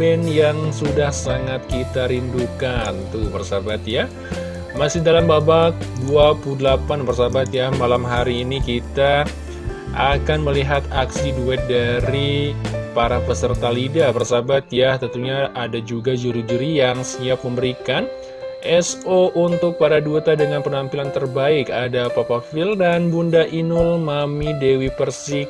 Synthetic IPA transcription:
bɛnjaŋsudahsaŋat̪̚kit̪aɾindukant̪ubərsabat̪ja | masɪhdalambabaduapluhdəlapanbərsabat̪jamalamɦaɾiːnikit̪a | ʔakanməliɦat̪aksiduɛt̪̚daɾipaɾapəsərt̪alidabərsabat̪jaht̪ənt̪uɲaadad͡ʒuɡad͡ʒuɾid͡ʒuɾijaŋsiap̚məmbəɾikan | ʔɛsoʔunt̪ʊk̚paɾaduet̪adəŋanpənampilant̪ərbaɪkadapapafɪldanbundaʔinʊlmamidewipərsɪk̚

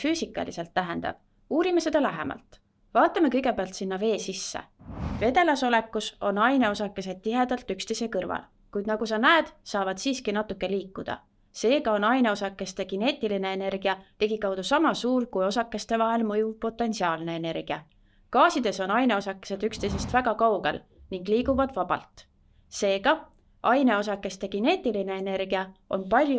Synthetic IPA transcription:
fyːsikːˑɑ̰lḭse̞lt̪ːæɦe̞nd̪̥ɑ̰b̥ | uːɾimese̞d̪ɑlæɦḛmʔɑ̰lt̪ | vɑːt̪ːˑɑmekɤ̞jɡe̞peɑlt̪sinːɑve̞ːsisːḛve̞d̪e̞lɑso̞le̞kːˑuso̞nɑjne̞o̞sɑkːˑe̞se̞d̪̥̚t̪iɦe̞d̪̥ɑlt̪ykst̪e̞jse̞kɤrvɑ̰l | kujd̪nɑɡ̥usɑnæed̪̥sɑːvɑd̪̥siːskinɑt̪ːˑukːˑe̞liːkːˑud̪̥ɑ̰ | se̞ːɡ̥ɑo̞nɑjne̞o̞sɑkːˑe̞st̪e̞ɡ̥ine̞ːt̪ːˑiline̞ene̞rɡ̥iɑt̪e̞ɡ̥ikɑwd̪̥usɑmɑsuːrkujo̞sɑkːˑe̞st̪e̞vɑɦe̞lmɤjuvpo̞t̪ːˑe̞nsiɑːlne̞ene̞rɡ̥iɑ | kɑːsid̪̥e̞so̞nɑjne̞o̞sɑkːˑese̞d̪ykst̪ejse̞st̪væɡ̥ɑkɑwɡ̥e̞̰l | niŋɡliːɡuvɑd̪̥vɑb̥ɑ̰lt̪ | se̞ːɡ̥ɑ | ɑjne̞o̞s̬ɑkːˑe̞st̪eɡ̥ine̞ːt̪ʲːˑiline̞ːne̞rɡ̥iɑo̞̰npɑlʲj

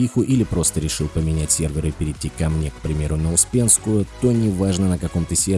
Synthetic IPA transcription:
ixʊʔilʲɪpɾo̞st̪əɾʲɪʂɨlˠpəmʲɪnʲætʲsʲe̞rvʲɪɾɨpʲɪɾʲɪtʲːikɐmnʲe̞kpɾʲɪmʲe̞ɾʊnəʊspʲe̞nskʊjʊt̪o̞nʲɪvaʐnənəkɐko̞mt̪əsʲer

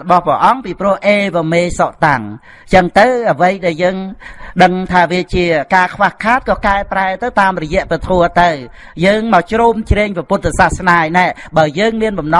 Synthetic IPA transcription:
ɓɑhpɛ̆əʔɑŋpiːprŭəhʔeːʋameːsoʔt̪aŋ | t͡ɕəŋt̪ɨwʔəʋəjɗaɛljəːŋɗəŋt̪ʰaːʋiət͡ɕiəkaːkʰʋahkʰaːt̪̚kɑːkaɛpraɛt̪ɨwt̪aːmrɔjɛ̆əʔpit̪ʰoət̪ɨw | jəːŋmaːwt͡ɕruːmt͡ɕreːŋpaput̪̚ːsasnaːjnaɛɓaəjəːŋmiənɓɑmnɑ

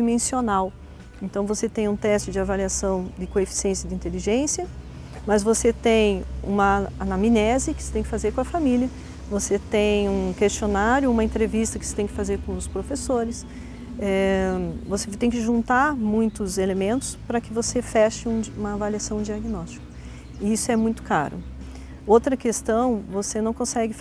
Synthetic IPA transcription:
d͡ʒimẽsionaw | ẽnt̪ɐ̃w̃voset̪ẽj̃ũt̪ɛst͡ʃɪd͡ʒɪavaliasɐ̃w̃d̪ɪkoefi̥siẽsjɐd̪ĩnt̪eliʒẽsiɐ | mɐzvoset̪ẽj̃ṵ̃mɐanaminɛzɪkɪset̪ẽj̃kɪ̥fazeɾkõɐfamiliɐ | voset̪ẽj̃ũkest͡ʃionaɾjʊũmɐẽnt̪ɾevist̪ɐkɪ̥se̥t̪ẽj̃kɪfazeɾkõʊspɾofesoɾɪs | ɛ | voset̪ẽj̃kɪʒũnt̪aɾmũj̃t̪ʊzelemẽnt̪ʊ̥spɾɐkɪvosefɛʃɪũũmɐːvaliasɐ̃w̃d͡ʒiaɡinɔst͡ʃi̥kʊ̥ | ɪisʊɛmũj̃t̪ʊ̥ka̰ɾʊ̰ | owt̪ɾɐkest̪ɐ̃w̃vosenɐ̃w̃kõsɛɡɪ

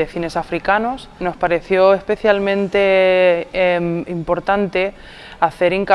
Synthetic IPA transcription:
efine̞safɾikanosno̞spaɾe̞θjo̞espe̞θjalmẽ̞nt̪e̞ | mimpo̞ɾt̪ant̪e̞ | aθe̞ɾiŋka

